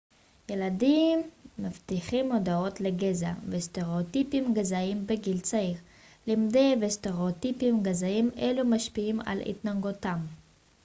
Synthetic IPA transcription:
jeladimːaft̪iχimod̪ao̞t̪leɡeza̰vesteʁeot̪ipimɡazaimbeɡilt͡saiʁ | limd̪ejvesteʁeot̪ipimɡazaimḛlumaʃpiima̰lḭt̪naɡotam

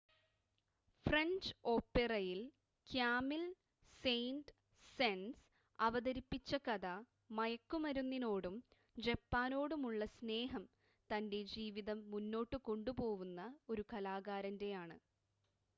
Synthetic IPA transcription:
frɐɲd͡ʑo̞ːpːerɐjil | kjaːmil | sejnɖ | sens | ɐʋɐðɐɾipːit͡ɕːɐkɐðɐ | mɐjɐkːumɐɾunːino̞ːɽum | d͡ʑepːaːno̞ːɽumuɭːɐsne̞ːɦɐm | t̪ɐnde̞d͡ʑiːʋiðɐmːunːo̞ːʈːɨko̞ɳɖupo̞ːʋunːɐo̞ɾukɐlaːɣaːɾɐnde̞jaːɳɨ

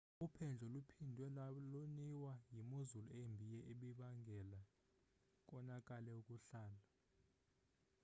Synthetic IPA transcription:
upʰɛnd͡ɮʱɔlupʰindʱwɛloniwajimuzuluembʱijɛʔeɓiɓaŋɡʱɛla | k̬ʼɔnakʼalɛukʼuɬaːla

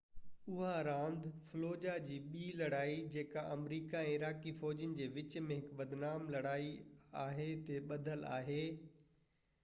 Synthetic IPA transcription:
ʊɦaɾãːnd̪ʱfʊloːd͡ʑad͡ʑiːɓiːlɐɽaːid͡ʑeːkaʔɐmɾiːkaɛ̃ːɪɾaːkifɔːd͡ʑənɪ̆d͡ʑeːʋɪt͡ɕmẽɦɪkbɐd̪naːmlɐɽaːi | aːɦet̪eɓɐd̪ʱəla̰ːɦeː

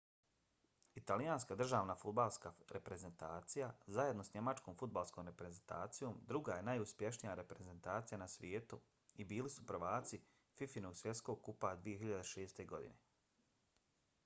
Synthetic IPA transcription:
it̪alijaːnskad̪r̩ʒaːʋnafud̪balˠskaɾepɾe̞ze̞nt̪aːt̪sijazaje̞d̪no̞sɲe̞mat͡ʃkoːmfud̪̚balˠskoːmɾepɾe̞zent̪a̰ːt̪sijo̞ːmd̪ɾuɡaje̞najuspje̞ʃnijaɾe̞pɾe̞ze̞nt̪aːt̪sijanasʋjeːt̪u | ibiːlisupr̩ʋaːt̪si | fifino̞ɡsʋje̞t̪sko̞ːɡ̚kupad̪ʋije̞çiʎad̪eʃe̞ːst̪e̞ɡo̞d̪ḭne̞

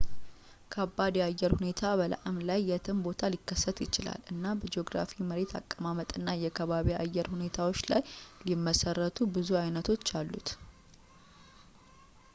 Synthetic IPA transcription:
kʰabːad̪iajːɛɾhune̞t̪ʰaβəla̰ʔɨmlajːɛt̪ʰɨmbo̞t̪ʰalikːəsːət̪jɪt͡ʃɪla̰lɨnːabəd͡ʒoɡɾa̰fiməɾe̞t̪ʰa̰kʼːəmamət̪ʼɨnːajɛkʰəβaβiajːɛɾhune̞t̪ʰawo̞t͡ʃːlajlimːəsərːət̪ʰubɨzuajnət̪ʰo̞t͡ʃːalːṵt̪

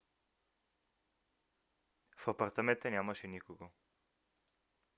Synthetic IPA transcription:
fapaɾt̪amɛ̃nt̪ənʲjamɐʃɛnikoɡo

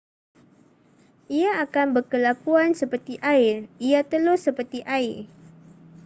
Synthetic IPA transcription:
ʔiaːkanbərkəlakuansəpərt̪iʔaɪriat̪əlʊsəpərt̪iʔaɪr

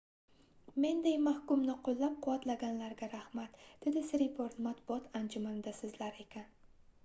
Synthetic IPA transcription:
me̞nd̪ejmahkʊmnɪqʰolˠːap̚qʊwat̪laɡʲanlaɾɡʲaɾahmat̪d̪̥ed̪ɪsɪɾɪpoɾt̪mat̪bʊɒt̪ʰand͡ʒʊmanɪd̪asɪzlaɾe̞kʲʰan

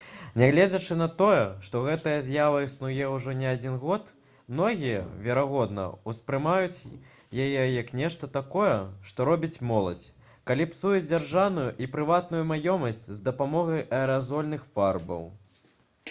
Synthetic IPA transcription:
nʲɛɣlʲɛd͡zʲɐt͡ʂɨnɐt̪ɔjɛʂt̪ɔɣɛt̪ɐjɐzʲjavɐisnujɛwuʐɔnʲɛad͡zʲinɣɔt̪ | mnɔɣʲijɛ̰vʲɛɾaɣɔd̪nɐ̰uspɾɨmajut͡sʲ | jajɛjɐknʲɛʂt̪ɐt̪akɔjɛʂt̪ɔɾɔbʲit͡sʲmɔlˠɐ̰t͡sʲ | kalʲipsujɛd͡zʲarʐawnujuʔipɾɨvat̪̚nujumajɔmɐsʲt͡sʲzd̪ɐpamɔɣɐjʔɐɛɾazɔlʲnɨxfarbɐ̰w

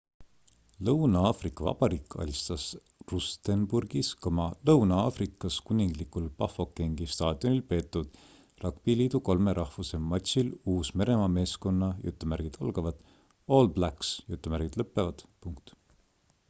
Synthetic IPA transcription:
lɤwnɑɑːfrikːˑɑvɑ̰b̥ɑɾiːkːˑɑ̰lʲst̪ɑs | rust̪enburɡ̥iskɑmɑlɤwnɑɑfrikːˑɑskunʲiŋɡlikulpɑfo̞kːe̞ŋɡ̥ist̪ɑːd̪̥io̞nilpe̞ːt̪ːˑud̪̥ | rɑkpiliːd̪̥uko̞lme̞ɾʔɑhvuse̞mɑt̪ʲsiluːsme̞ɾe̞mɑme̞ːsko̞nːɑjṵt̪ːˑumæɾɡ̥id̪̥olɡ̥ɑvɑd̪̥ | oːlblæksjut̪ːˑumæɾɡ̥id̪lɤpːˑe̞vɑd̪̥puŋkt̪

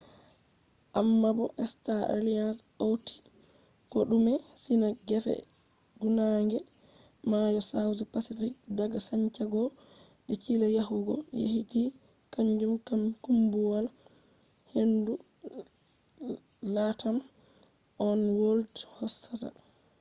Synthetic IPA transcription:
ʔamːabɔʔɛstaa̰lians | owti̥ | kɔɗumɛsinaɡɛfɛ̰ | ɡunaŋɡɛ | majɔsawzipasifik̚daɡasaɲt͡ʃaɡɔ | ɗikilajaɦuɡɔjḛhiti | kaɲd͡ʒumkamkumbuwal | hendu | latam | ʔɔnwoldhɔsːata̰

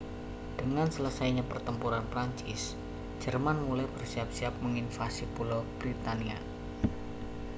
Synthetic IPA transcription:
d̥əŋansələsajɲapərt̪əmpuɾanpɾaɲt͡ʃɪs | d͡ʒ̥ərmanmulajbərsiap̚siap̚məŋinfasipulob̥ɾit̪ania̰

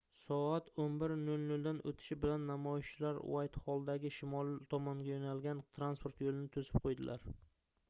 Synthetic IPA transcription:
sɒat̪ʰonbɪɾnɵlnɵld̪anʔɵ̰t̪ʰɪ̥ʃɪbɪlanːamɒjɪʃt͡ʃʰɪlaɾ̰wajt̪hɒlˠd̪aɡʲɪʃɪmɒlˠt̪ʰɒmɒŋɡʲajonalɡʲant̪ʰɾanspʰoɾt̪jolɪnɪt̪ʰɵzɪp̚qʰojd̪ɪlʔaɾ

